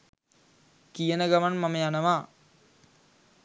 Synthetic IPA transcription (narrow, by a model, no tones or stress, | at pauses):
kijənəɡaʋanmaməjanəʋaː